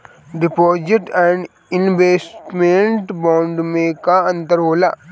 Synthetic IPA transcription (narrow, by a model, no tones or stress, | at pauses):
ɖ̪ipɔːd͡ʒeʈɛ̃ːɳɖ | ɪnʋeːsʈmẽɳʈbɔ̃ːɳɖmẽkaə̃nt̪əɾɦoːlaː